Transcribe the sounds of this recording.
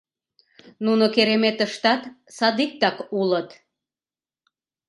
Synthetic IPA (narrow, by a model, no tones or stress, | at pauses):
nunokeɾemet̪əʃt̪ɑt̪ | sɑd̪ik̚t̪ɑkulət̪